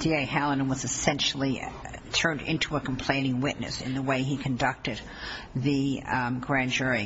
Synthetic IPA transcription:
d̥ieɪhælˠə̃n̩wʌzɨsɛ̃nʃl̩ˠi | tʰɜ̃˞ndɪ̰̃ntʰuəkʰm̩pʰl̥ẽɪ̃nɪ̃ŋwɪʔⁿnɨ̰sɨ̰̃nðəweɪikʰɨ̃ndʌk̚tɨd̪̥̚ | ðɨɡɹæ̃nd͡ʒʊɹi

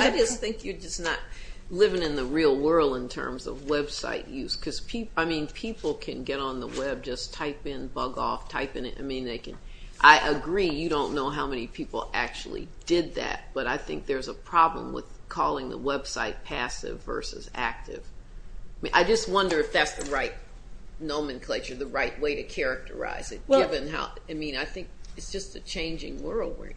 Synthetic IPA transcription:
aɪd͡ʒʌsθɪ̃ŋkjə˞d͡ʒʌsnət̚lɪvɪ̃ŋɨ̃nðəɹilˠwɜ˞lˠdə̃ntʰɜ̰̃˞mzʌ̰vwɛb̥sa̰ɪʔjʉz̥kʰʌz̥pʰipaɪmĩnpʰipl̩ˠkʰɨ̃nɡɛɾn̩ðə̰wɛb̚d͡ʒʌstʰaɪpɪ̃nbʌɡɔ̰ftʰaɪpɪ̃ŋɨɾa̰ɪmĩnðeɪkɨ̰̃nʔaɪʔɨɡɹijɨɾõʊ̃nːoʊɦaʊmɛnipʰipl̩ˠæ̰k̚t͡ʃul̩ˠḭd̥ɪd̪̚ðæ̰t̚b̥ʌɾaɪθɪ̰̃ŋk̚ðə˞zəpʰɹ̥ɑblə̰̃mwɪ̰ð̥kʰɔlˠɪ̃ŋðə̰wɛb̥saɪt̚pʰæsɪ̰vɜ̰˞sɨ̰zæ̰k̚tɪ̰v̥mʔaɪd͡ʒʌst̚wʌ̃ndə˞ɨfðætsðɨɹaɪt̚ⁿ | nõʊ̃mɨ̃nkʰl̥eɪt͡ʃə˞ðɨɹaɪʔ̚weɪɾɨkʰɛɹɨk̚tʰə̰˞a̰ɪzɨt̚ɡ̥ɪvɨ̃nɦa̰ʊaɪmĩnaɪθɪ̃ŋk̚ɨtsd̥ʒ̥ʌstɨt͡ʃʰẽɪ̃nd͡ʒɪ̰̃ŋwɜ˞lˠd̚wɪ̰

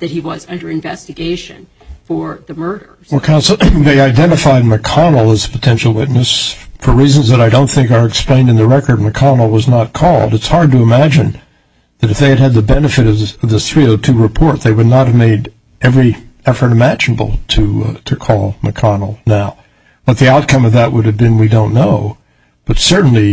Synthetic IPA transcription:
ðɨt̚hiwʌzʌ̃ndə˞ɨ̃ɱvɛstɨɡeɪʃɨ̰̃n | fə˞ðɨmɜ˞ɾə˞wɛlˠkʰãʊ̃nsl̩ðeɪaɪdɛ̃ɾ̃ɨfaɪd̚mɨkʰɑnl̩ˠəz̥pʰətʰɛ̃nʃl̩ˠwɪtⁿnɨsfə˞ɹizɨ̃n̩zðəɾaɪdõʊ̃nθɪ̃ŋkə˞ɨksplẽɪ̃nɨ̃nðɨɹɛkə˞d̚mɨkʰɑnl̩ˠwʌznət̚kʰɔlˠdɨtshɑɹd̚tɨəmæd͡ʒɨ̃n | ðɨɾɨfðeɪɨɾɨd̪̚ðɨbɛnɨfɨɾʌvʌvðɨθɹiətʰʉɹɨpʰɔɹt̪̚ðeɪwɨdⁿnət̚hɨvmeɪɾ | ɛvɹiɛfə˞ɾɨmæd͡ʒɨnəbl̩ˠtʰɨɾʰɨkʰɔlˠmɨkʰɑnl̩ˠnaʊ | b̥ʌt̪̚ðiaʊt̚kʰʌ̃mʌvðəʔ̚wʊɾɨvbɨ̃nwidõʊ̃nːoʊ | b̥ʌtsɜ˞ʔn̩li

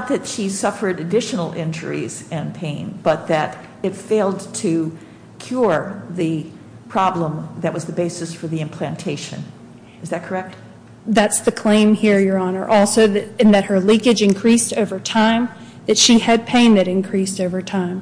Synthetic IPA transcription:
t̪̚ðɨtʃisʌfə˞ɾɨdɪʃn̩l̩ˠɪ̃nd͡ʒə̰˞ḭzɪ̃npʰẽɪ̃nb̥ʌt̪̚ðɨɾ | ɨtfeɪlˠdtʰɨ | kʰj̥ʊɹðɨ | pʰɹ̥ɑblə̃mðɨt̚wʌzðɨbeɪsɨsfə˞ðiɨ̃mpʰl̥æ̃ntʰeɪʃɨ̰̃n | ɨzðɨt̚kʰə˞ɛk̚t̚ | ðætsðɨkʰl̥ẽɪ̃mhiɹjə˞ɑnə̰˞ʔɔlˠsoʊðɨɨ̃nðɨt̚hə˞lɪ̃kɨd͡ʒɨ̃nkʰɹ̥istoʊvə˞tʰãɪ̃m | ðɨtʃiɨd̚pʰẽɪ̃nɨɾɨ̃nkʰɹ̥istoʊvə˞tʰãɪ̃m

